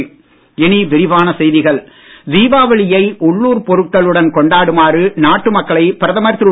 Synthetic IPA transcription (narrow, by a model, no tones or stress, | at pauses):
ɛniʋɪɾɪʋaːnɐsɛjðɪɣɐɭ | ʋiːʋaːʋɐɭɪjɐɪʔʊɭːuːɾpɔɾɯʈ̚kɐɭɯɽɐnkɔɳɖaːɽɯmaːɾɯnaːʈːɯmɐkːɐɭɐɪpɪɾɐðɐmɐɾt̪ːɾɯ